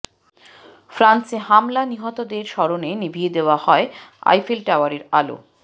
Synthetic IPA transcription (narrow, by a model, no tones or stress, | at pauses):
fɾanseɦamlaniɦɔt̪od̪eɾʃɔɾonenibʱied̪eoahɔea̰jfilʈawaɾiɾa̰lo̰